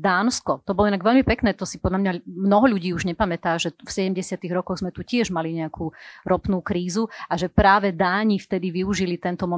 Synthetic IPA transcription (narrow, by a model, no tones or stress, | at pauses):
d̪aːnskɔt̪ɔbɔlɔinaɡʋɛʎmipɛknɛːt̪ɔsipɔd̪lʎamɲamnɔɦɔʎuɟiːuʒɲɛpamɛt̪aːʒɛfsɛɟɛmɟɛsɪat̪iɣɾɔkɔɣzmɛt̪ucɪɛʒmaliɲɛakʰuːɾɔpnuːkɾiːzuaʒɛpɾaːʋɛd̪aːɲift̪ɛd̪iʋiuʒilit̪ɛnt̪ɔmɔ